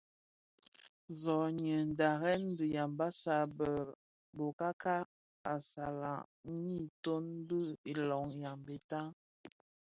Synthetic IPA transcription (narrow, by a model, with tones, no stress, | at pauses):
zɔ˨ɲə˨n˨da˨ɣɛ˦n˦bi˨ja˨mba˦sa˨bə˨ | bo˨ka˦ka˦ | a˨sa˨la˨˦ɲi˦˨to˦n˦bə˦i˨lɔ˨˦ŋja˨mbe˨ta˦